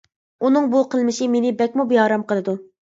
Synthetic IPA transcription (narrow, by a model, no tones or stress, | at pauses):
unɨŋbuqʰəlˠmɪʃɪmenɪbɛk̚ʲmubihɑːɾɑmqʰəlˠɨd̪u